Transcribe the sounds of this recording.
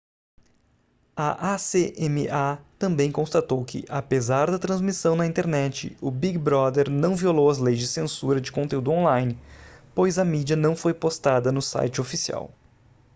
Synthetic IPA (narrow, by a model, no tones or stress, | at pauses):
ɐʔaseʔemɪat̪ɐ̃mbẽj̃kõst̪at̪owkʰɪ̰ʔapezaɾd̪ɐt̪ɾɐ̃zmisɐ̃w̃nɐĩnt̪eɾnɛt͡ʃɪ̰ʊbiɡbɾɔd̪eɾnɐ̃w̃violowɐzlejzd͡ʒɪsẽsuɾɐd͡ʒɪkõnt̪eud̪ʊõlajnɪpojzɐmid͡ʒɐnɐ̃w̃fojpost̪ad̪ɐnʊsa̰jt͡ʃɪofisia̰w